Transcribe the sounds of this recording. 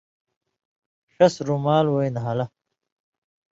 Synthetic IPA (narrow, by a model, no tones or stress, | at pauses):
ʂɐsɾumaːlwojnɦalɐ